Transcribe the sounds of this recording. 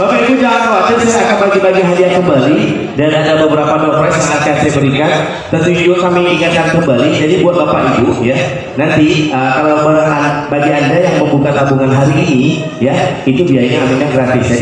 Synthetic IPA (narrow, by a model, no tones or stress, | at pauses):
bapait̪ud͡ʒaŋankoat̪ɪrsiakanbaɡibaɡiɦadiankəmbali | danadabəbəɾapadɔkɾɛsməŋakasajabəɾikan | t̪ərud͡ʒiokamiʔiŋat̪̚kankəmbalid͡ʒadibuat̪̚bapaʔituja | nant̪iʔəkalaməanbaɡiandajaŋməmbukat̪abuŋanɦaɾiːni | jait̪ubiaɲaːmeɲaɡɾat̪ɪsja